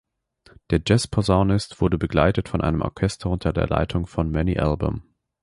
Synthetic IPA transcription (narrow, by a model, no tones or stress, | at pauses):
d̥eːɐd͡ʒɛspʰɔzaʊnɪstv̥ʊɐdəbəɡlaɪtətfɔnʔa̰ɪnəmʔɔ̰ɐkʰɛstʰɐʊntʰɐdeːɐla̰ɪtʰʊŋfɔnmɛniʔa̰lbʊ̰m